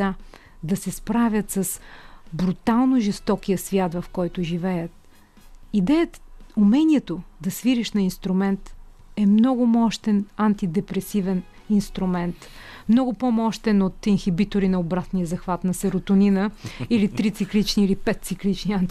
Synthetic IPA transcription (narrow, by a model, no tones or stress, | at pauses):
a | d̪ɐsɛspɾavʲət̪səsbɾut̪alˠnʊʒɛst̪ɔkijəsvʲjat̪vɐfkɔjt̪ʊʒivɛjət̪ | id̪ɛjət̪umɛniɛt̪od̪ɐsviɾiʃnɐinst̪ɾʊmɛnt̪ | ɛmnɔɡʊmɔʃt̪ɛnant̪id̪ɛpɾɛsivɛn | inst̪ɾʊmɛnt̪mnɔɡʊpomɔʃt̪ɛnot̪inxibit̪ʊɾinɐobɾat̪nijəzɐxvat̪nɐsɛɾʊt̪ʊninəilit̪ɾit̪siklit͡ʃniːlipɛt̪̚t̪siklit͡ʃniant̪